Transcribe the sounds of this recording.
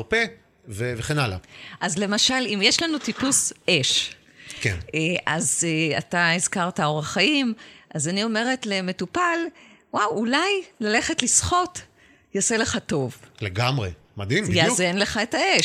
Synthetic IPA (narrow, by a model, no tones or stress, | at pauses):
pe | veveχenala̰ʔazle̞maʃalimjeʃlanutipusʔeʃ | kḛnneʔazea̰taizkaʁtao̞ʁaχajimʔazanio̞me̞ʁe̞tle̞me̞tupal | wawulajlale̞χe̞tlisχo̞t | jasele̞χato̞vleɡamʁḛ | mad̪imjjazenleχaetae